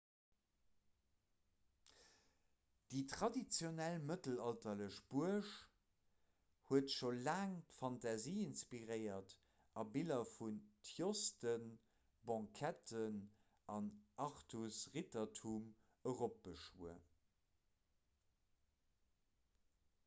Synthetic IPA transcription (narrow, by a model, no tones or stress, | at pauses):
d̥iːtχɑdit͡sjonælmətəlɑltɐləʃb̥uəʃ | huətʃolaːŋtfɑntɑziːinspiʁəɪɐt | ʔɑbilɐfuntʰjostən | bɑ̃kʰætən | ʔɑnʔɑχtʰusʁitɐtʰum | əʁop̚b̥əʃṵə̰